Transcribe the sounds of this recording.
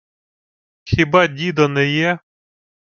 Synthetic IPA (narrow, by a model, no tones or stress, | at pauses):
xʲibɑdʲid̪ɔnɛjɛ